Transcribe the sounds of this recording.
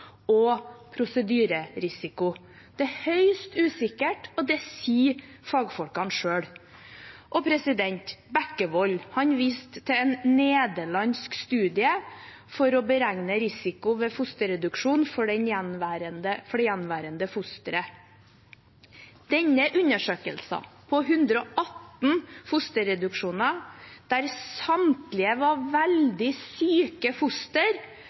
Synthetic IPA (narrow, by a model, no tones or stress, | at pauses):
ɔpʰɾʊsəd̪yːɾəɾɪsɪkʊ | d̪̥ɛhœʏst̪ʉːsɪkəʈɔd̪ɛsiːfɑːɡfɔlkɑnʂøːɽ | ʔɔpʰɾɛsɪd̪ɛnt̪bækəʋɔlːhɑnʋiːst̪ʰːɛɛnneːd̪əɭɑnskst̪ʉːd̪ɪə | fɔɾɔbəɾæŋnəɾɪsɪkʊʋefʊst̪əɾɛd̪ʉkʂuːnfɔɖɛnjɛnʋæːɾənd̪əfɔɖɛjɛnʋæːɾənd̪əfʊst̪əɾə | d̪̥ɛɲːəʔʉnəʂøːkə̰lsɑ̰pʰɔɦʉnd̪ɾəɔʔɑt̪n̩fʊst̪əɾɛd̪ʉkʂuːnɑd̪̥æɾsɑmt̪lɪəʋɑʋæld̪ɪsyːkəfʊst̪əɾ